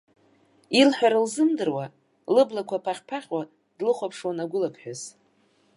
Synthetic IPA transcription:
ilħʷᶣaɾalzɨmdɨrwa | lɨblakʷʰapʰaχʲpʰaχʲwa | d̥lɨχʷapʰʂwanaɡʷʊlapʰħᶣaz

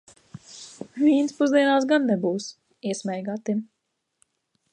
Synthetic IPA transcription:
vʲiɛnspuzd̪iɛnaːsɡanːɛbuːs | iɛsmʲɛjɡaːt̪im

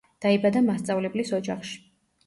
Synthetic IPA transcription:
d̪̥aibad̪amast̪sʼavlɛblisɔd͡ʒaχʃi̥

